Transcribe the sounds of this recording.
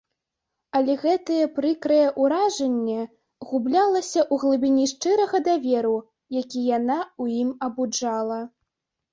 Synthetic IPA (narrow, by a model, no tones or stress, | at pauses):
ɐlʲɛɣɛt̪ɐjɛpɾɨkɾɐjɛʔuɾaʐɐnʲːɛ | ɣublʲalˠɐsʲɐʔuɣlˠɨbʲinʲiʂt͡ʂɨɾɐɣɐd̪avʲɛɾu | jakʲijanaujimɐbud͡ʐalˠɐ